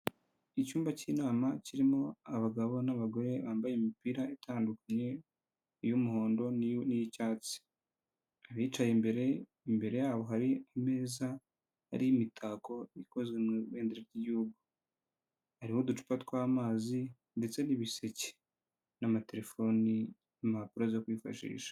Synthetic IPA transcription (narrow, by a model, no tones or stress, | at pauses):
icuːmbaciːnaːmaciɾimo̞aβaɡaβo̞naβaɡo̞ɾe̞βaːmbajemipiɾaetʰaːndukaɲe̞ | ijumuho̞ːndo̞nijicaːt͡si̥ | aβiːt͡ʃajembeɾe | imbe̞ɾe̞jaːβo̞ɦaɾiame̞ːza | ha̰ɾimitʰaːko̞iko̞zɡweeːndiɾeɾɟiɟuuɡu | haɾihodut͡ʃu̥patkwaːmaːzi | nde̞t͡se̞niβise̞ce̥ | namate̞ɾe̞fo̞ni | nimapuɾazokwiːfa̰ʃḭːʃḁ